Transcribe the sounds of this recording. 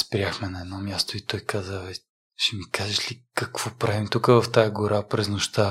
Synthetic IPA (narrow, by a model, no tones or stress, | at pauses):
spɾʲiaxmɛnɐɛd̪nɔmjast̪oit̪ɔjkazəvɛ | ʃɛmikaʒɛʃlikɐkv̥ɔpɾavimt̪ukəvɐft̪ajɐɡʊɾapɾɛznoʃt̪a